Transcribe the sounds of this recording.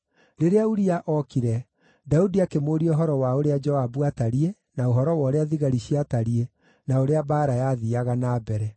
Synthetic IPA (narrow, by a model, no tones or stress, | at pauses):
ɾeɾeauɾiaʔɔkiɾɛ | daudiakemoːɾiɔɦɔɾɔwaoɾead͡ʒɔabuataɾie | naoɦɔɾɔwɔɾeaðiɣaɾiɕiataɾie | naoɾeabaːɾajaðiaɣanaːbɛɾɛ